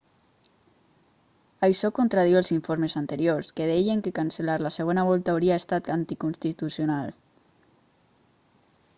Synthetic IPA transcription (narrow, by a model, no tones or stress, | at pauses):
ajʃɔkont̪ɾað̞iwəlˠziɱfoɾmezant̪əɾjorskeð̞ɛjeŋkekanselaɾlaseɣonaβ̞ɔlˠt̪aːwɾiaest̪at̪ant̪ikunst̪it̪usionalˠ